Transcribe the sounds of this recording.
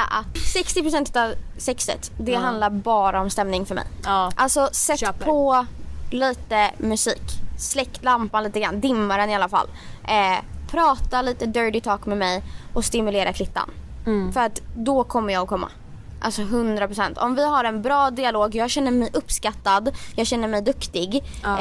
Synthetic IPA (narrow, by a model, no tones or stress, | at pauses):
ʔat̪sɛkst̪ɪpɾʊsɛnt̪ɵ̥t̪avsɛksə̰t̪d̪ɛɦand̪laɾbɑːɾaɔmst̪ɛmnɪŋfœɾmɛ̰jʔalsɔsɛt̪ːpʰɔ | liːt̪əmɵsiːkslɛk̪ːlampanliːt̪əɡɾa̰nd̪ɪmːaɾɛnɪalːafa̰lːʔɛpʰɾɑːt̪aliːt̪əd̪œɾɖɪt̪ʰɑːkmɛmɛjɔst̪ɪmɵleːɾʔakʰlɪt̪ːa̰n | fœɾat̪d̪ɔkʰɔmːəjɑːɡɔkʰɔmːa̰ | ʔa̰lsɔɦɵnd̪ɾapɾʊsɛnt̪ʰɔ̰mvɪɦaɾɛnbɾɑːd̪ɪaloːɡjɑːɡɕɛnːəɾmɛjʔɵpːskat̪ːad̪jɑːɡɕɛnːəɾmɛjd̪ɵkt̪ɪɡ